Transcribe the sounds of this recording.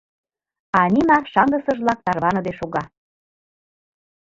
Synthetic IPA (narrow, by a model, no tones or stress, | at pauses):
ɑnʲimɑʃɑŋɡəsɤ̆ʒβlɑk̚t̪ɑrβɑnɤ̆d̪eʃoɣɑ